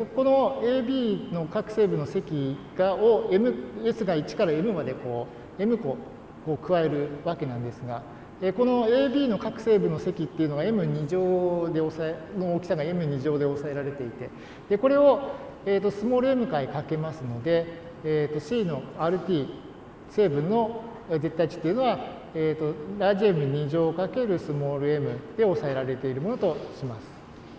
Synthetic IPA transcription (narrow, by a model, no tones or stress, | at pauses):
ko̞no̞eːbʲiːno̞kakɯ̟̥se̞ːbɯ̟no̞se̞kʲiɡ̥aoemɯ̟e̞sɨɡait͡ɕi̥kaɾae̞mɯ̟mad̪e̞ko̞ː | e̞mɯ̟ko̞ | koːkɯ̟βae̞ɾɯ̟βake̞nãnd̪e̞sɨɡa | eko̞no̞e̞ːbʲiːno̞kakɯ̟̥se̞ːbɯ̟no̞se̞kʲit̪ːe̞iɯ̟no̞ɡae̞mɯ̟ɲ̟iʑoːd̪e̞o̞saeno̞ːkʲi̥saɡae̞mɯ̟ɲ̟iʑo̞ːd̪e̞o̞sae̞ɾaɾe̞t̪e̞it̪e̞ | d̪̥e̞ko̞ɾe̞o̞ | eːt̪ːo̞sɨmo̞ːɾɯ̟e̞mɯ̟kaikake̞masɨno̞d̪e̞ː | t̪ːo̞ɕiːno̞aːɾɯ̟t̪ʲiː | se̞ːbɯ̟̃nːo̞ | de̞t̪ːat͡ɕi̥t̪ːeiɯ̟no̞a | eːt̪o̞ɾaʑiemɯ̟ɲ̟iʑo̞ːkake̞ɾɯ̟sɨmo̞ːɾɯ̟e̞mɯ̟d̪̥e̞o̞sae̞ɾaɾe̞t̪e̞iɾɯ̟mo̞not̪o̞ɕimasɨ̥